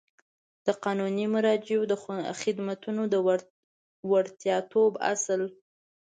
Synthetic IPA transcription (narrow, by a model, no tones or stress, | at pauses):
d̪̥əqɑnunimʊɾɑd͡ʒeod̪əxɪd̪mat̪unod̪ə | waɾt̪jɑt̪ʰoba̰səl